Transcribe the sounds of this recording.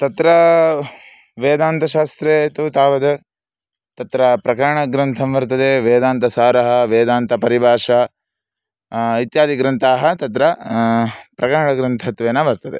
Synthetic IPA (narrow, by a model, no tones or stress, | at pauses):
t̪ɐt̪ɾɐ | ʋeːd̪aːnt̪ɐʃaːst̪ɾet̪ut̪aːʋɐd̪ɐ | t̪ɐt̪ɾɐpɾɐkɐɾɐɳɐɡɾɐnt̪ʰɐmʋɐɾt̪ɐd̪eʋeːd̪aːnt̪ɐsaːɾɐɦɐʋeːd̪aːnt̪ɐpɐɾibʱaːʂɐ | it̪jaːd̪iɡɾɐnt̪aːɦɐt̪ɐt̪ɾɐ | pɾɐkɐɾɐɳɐɡɾɐnt̪ʰɐt̪ʋeːnːɐʋɐɾt̪ɐd̪e